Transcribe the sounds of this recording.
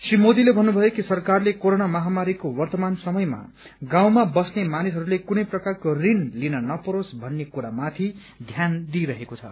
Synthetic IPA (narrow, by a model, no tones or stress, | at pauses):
srimod̪ilebʱʌnːubʱʌjokisʌrkarlekoɾonamʌɦamaɾikowʌrt̪ʌmansʌmʌjma̰ | ɡãw̃mabʌsnemanisɦʌɾulekunʌjprʌkarkorinlinʌnʌpʌɾosbʱʌnːekuɾamat̪ʰi | d̪ʱjand̪iɾʌɦekot͡sʰʌ̰